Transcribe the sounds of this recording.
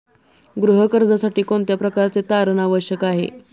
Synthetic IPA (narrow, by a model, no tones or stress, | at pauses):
ɡɾuɦəkəɾd͡zasaʈiːkoɳt̪japɾəkaɾt͡set̪aɾənaʋəɕjəkaɦḛ